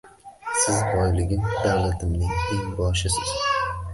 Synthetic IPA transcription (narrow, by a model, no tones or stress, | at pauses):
sɪzbɒjlɪɡʲɪmd̪awlat̪ʰɪmnɪŋeŋbɒɾʃɪsɪz̥